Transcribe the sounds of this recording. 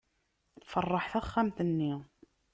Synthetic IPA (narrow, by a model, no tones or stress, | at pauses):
θfərˤːɑħθæχːamt̪ənːi